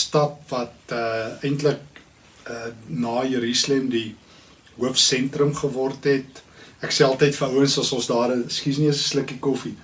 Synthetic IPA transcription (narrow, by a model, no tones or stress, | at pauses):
stɐpvɐtəəjntlək̚ | ənɑːjəɾislemdi | ɦuəfsɛntrəmχəvɔrtɦɛtækseːɑlˠtəjtfəəwənsɐsɔ̃sdɑːɾəskis̬niəsə̥sləkikɔfi